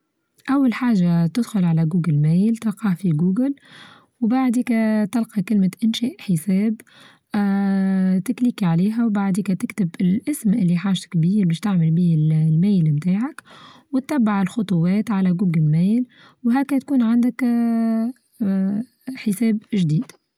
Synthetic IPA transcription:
ʔæwːalħaːʒat̪ɪd̪xʊlʕalæɡuːɡəlmæːjlt̪ɑlqɑːfiɡuːɡəl | wbaʕd̪iːkæt̪ɑlqɑkɪlmɪʔɪnʃɛːʔħəsɛːb | t̪ɪklikiʕaliːɦæwbaʕd̪iːkæt̪ɪkt̪ɪbɪlʔɪsmʔɪlːiħaːʒt̪kbiːɾbæːʃt̪aʕmɪlbiːlmæːjlmt̪aːʕakwɪt̪ːæbːaʕɪlxʊt̪ˤʊwɛːt̪ʕalæɡuːɡəlmæːl | wɦæːkæt̪̚kuːnʕand̪ɪk | ħəsɛːbʒd̪iːd̪̥

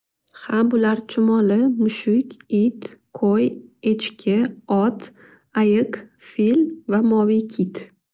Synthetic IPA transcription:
hambʊlaɾt͡ʃʰʊmɒlɪmʊʃʊkʲit̪qʰojet͡ʃkʲʰɪɒt̪ | ajɪqfilvamɒvikʲʰit̪

